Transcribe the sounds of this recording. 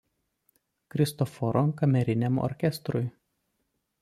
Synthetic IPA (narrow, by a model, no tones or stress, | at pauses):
kɾʲɪst̪ɔfɔɾʔɔkɐmʲɛɾʲɪnʲɛmɔ̰ɾʲkʲɛst̪ɾʊj